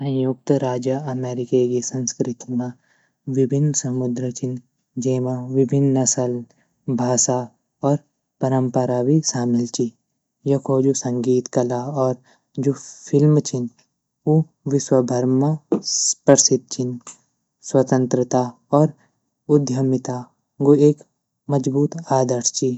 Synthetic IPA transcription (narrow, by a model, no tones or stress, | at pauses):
sɐ̃juk̚t̪ɾaːd͡ʒəɐmeːɾɪkekisɐ̃nskɾɪt̪imã | ʋɪbʱɪnːsɐmʊd̪ɾət͡ʃɪn | d͡ʒeːmãʋɪbʱɪnːɐsəl | bʱaːsa | ɔːɾ | pɐɾə̃mpəɾaːʋiʃaːmɪlt͡ʃi | jɐkʰoːd͡ʒosɐ̃ŋɡiːt̪kɐlaɔːɾ | d͡ʒopʰɪlmt͡ʃʰin | u | ʋɪʃwɐbʱɐɾmɐspəɾsɪt̪̚t͡ʃʰin | swɐt̪ə̃nt̪ɾət̪aː | ɔːɾ | ʊd̪ʱjɐmɪt̪aː | ɡoeːk | mɐd͡ʒbuːt̪aːd̪əɾst͡ʃi